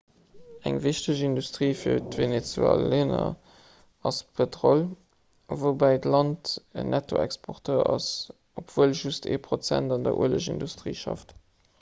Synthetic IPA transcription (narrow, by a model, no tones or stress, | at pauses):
æŋviʃtəʑindustʁiːfiːɐtvenet͡sæ̰lenɐ | ɑspʰetʁol | vobæɪtlɑntə̰nʔætʰoɛkspʰoʁtʰøːɐɑs | opv̥uəlʒustʰḛːpʰʁot͡sæ̰ndɑndɐʔṵələʃindustʁḭːʃɑ̰ft